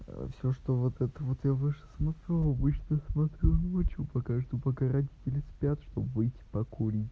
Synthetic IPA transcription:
fsʲoʂt̪ovot̪ɛt̪əvot̪javɨʂɨ̥smɐt̪ɾʲuɐbɨt͡ɕnəjasmɐt̪ɾʲunot͡ɕupɐkat̪ʲupɐkaɾɐdʲitʲɪlʲɪspʲat̪ʂt̪obvɨjtʲɪ̥pɐkoɾʲi

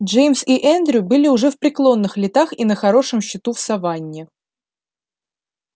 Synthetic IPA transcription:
ʐejmsiʔɛnd̪ɾʲʊbɨlʲɪʊʐɛfpɾʲɪklˠo̞nːɨxlʲɪt̪axinəxɐɾo̞ʂɨmɕːɪt̪ufsɐvanʲːɪ

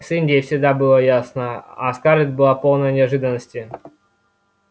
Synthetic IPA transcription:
sɨnʲdʲejfsʲɪɡd̪abɨlˠəjasnəaskaɾʲɪt̪ʲbɨlˠapo̞lˠnəjənʲɪɐʐɨd̪ənːəsʲtʲɪ

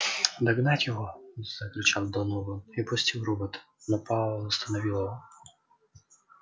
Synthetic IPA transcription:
d̪ɐɡnatʲjɔɦɔz̥ɐklʲʊt͡ʃɑwd̪ɔnɔʋɔipɔsʲtʲiwɾubɪt̪ | nɐpɑʊst̪ɐnɔʋʲilˠɐɦɔ

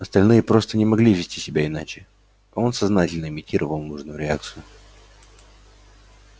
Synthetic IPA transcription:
ɐst̪ɐlʲnɨjəpɾo̞st̪ənʲɪmɐɡlʲivʲɪsʲtʲisʲɪbʲaɪnat͡ɕɪ | o̞nsɐznatʲɪlʲnəɪmʲɪtʲiɾʔəvəlˠnuʐnʊjʊɾʲɪa̰k̚t̪sɨjʊ

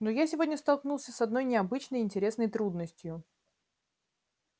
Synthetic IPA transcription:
nojasʲɪvo̞dʲnʲəst̪ɐlˠknulˠsʲəsɐd̪no̞jnʲɪɐbɨt͡ɕnəjɪnʲtʲɪɾʲe̞snəjt̪ɾud̪nəsʲtʲjʊ

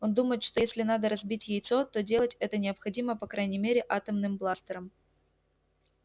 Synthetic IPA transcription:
o̞nd̪uməjɪt̪ʂt̪ojesʲlʲɪnad̪əɾɐzbʲitʲjɪjt̪so̞t̪o̞dʲe̞lˠətʲɛt̪ənʲɪɐpxɐdʲiməpɐkɾajnʲɪmʲeɾʲɪʔat̪əmnɨmblˠast̪əɾəm

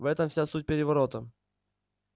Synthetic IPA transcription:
vɛt̪əmfsʲasut̚ʲpʲɪɾʲɪvɐɾo̞t̪ə

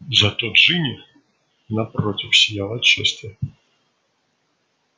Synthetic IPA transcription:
zɐt̪ot̪ʐɨnʲɪ | nɐpɾotʲɪfsʲɪjalˠɐtt͡ɕːeɛsʲt̪ʲɪ

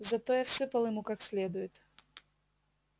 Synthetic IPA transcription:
zɐt̪ojafsɨpɐlˠjɪmukaksʲlʲed̪ʊjɪt̪

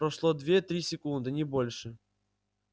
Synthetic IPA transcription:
pɾɐʂlˠod̪vʲet̪ɾʲisʲɪkund̪ɨnʲɪbolʲʂɨ

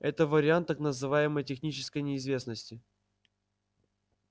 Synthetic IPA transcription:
ɛt̪əvəɾʲɪant̪ːaknəzɨvajɪməjtʲɪxnʲit͡ɕɪ̥skəjnʲɪːzvʲe̞snəsʲtʲɪ

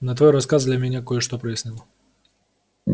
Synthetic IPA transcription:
nɐt̪vo̞jɾɐskazd̪lʲɐmʲɪnʲakojəʂt̪opɾəjɪsʲnʲɪlˠo

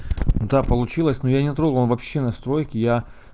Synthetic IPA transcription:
d̪apəlˠʊt͡ɕilˠəsʲnojanʲɪt̪ɾoɡəvlnˠvɐpɕːe̞nɐst̪ɾo̞jkʲɪja

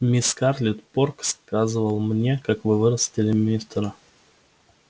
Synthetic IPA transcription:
mʲɪskarlʲɪt̪porkskazɨvəlˠmnʲekakvɨvɨɾəsʲtʲɪlʲɪmʲist̪ɾə

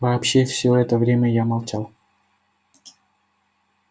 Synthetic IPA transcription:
vaːpɕːefsʲoɛt̪əvɾʲemʲəjamalˠt͡ɕalˠ

